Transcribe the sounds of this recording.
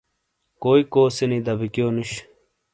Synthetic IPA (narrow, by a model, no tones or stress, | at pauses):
koːikoːsenid̪ɐbikjoːnuɕ